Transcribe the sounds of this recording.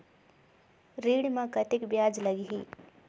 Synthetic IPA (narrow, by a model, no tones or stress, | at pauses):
ɾiːɽmãkət̪ikbjad͡ʒləɡiɦi